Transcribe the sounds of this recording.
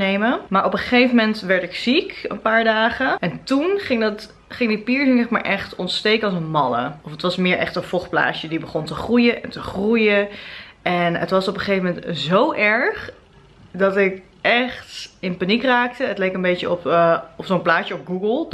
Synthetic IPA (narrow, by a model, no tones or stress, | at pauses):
nejməmaːɹʔɔpəχejfəmɛntʋɛɹtɪksikə̰npaːɹdaːχəɛntunχɪŋdɑt | χɪŋdipiːɹsəŋnɛχma̰ːɹʔɛχtɔntstejkəɑlˠsənmɑlə̰ɔfətʋɑsmɪːɹʔɛ̰χtənfɔχpla̰ːt͡ʃədibəχɔntəχrujəʔɛ̰ntəχrujə | ɛnə̰tʋɑsɔpəχejvəmɛntzowʔɛɹχ | dɑtɪk | ʔɛχtɪnpanikraːk̚təətlejkənbejt͡ʃəɔpɔfsonplaːjəɔpɡuɡəlˠ